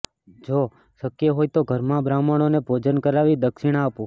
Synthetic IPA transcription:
d͡ʒo | ʃəkjeɦojt̪oɡʱəɾmãbɾaməɽ̃onebʱod͡ʒənkəɾaʋid̪əkʃiɽ̃apũ

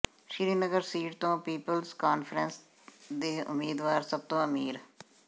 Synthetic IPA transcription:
ʃɪɾiːnəɡəɾsiːʈt̪õːpiːpəlzkaːnfʰɾəns | d̪eːʊ̰mːiːd̪ʋaːɾsəb̚t̪õːəmiːɾ

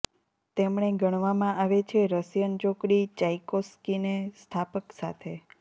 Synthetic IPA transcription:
t̪emɳ̃eɡəɽ̃ʋamãʔaʋet͡ʃʰeɾəsjənt͡ʃokɽit͡ʃajkoskinest̪ʰapəksa̰t̪ʰe

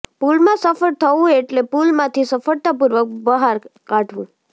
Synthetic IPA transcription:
pulmãsəfəɽt̪ʰəũeʈlepulmãt̪ʰisəfəɽt̪ap̬uɾʋək̚bəɦaɾkãʈʰʋṵ̃

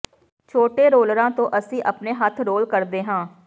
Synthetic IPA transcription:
t͡ʃʰoːʈeːɾoːlɾãːt̪õːʔəsĩːʔəpneːɦət̪ʰɾoːlkəɾd̪eːɦãː

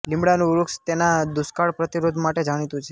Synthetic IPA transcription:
lɪmbɽanũɾukst̪enad̪ʊskaɭpɾət̪iɾod̪ʱmaʈed͡ʒaɽ̃it̪ũt͡ʃʰe

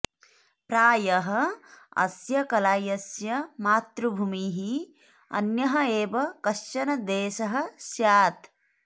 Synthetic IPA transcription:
pɾaːjɐɦɐɐ̰sjɐkɐlaːjɐsjɐmaːt̪ɾubʱumiːɦi | ɐ̰njɐɦɐeːʋɐkɐʃt͡ʃɐnɐd̪eːʃɐɦɐ̆ʃjaːt̪

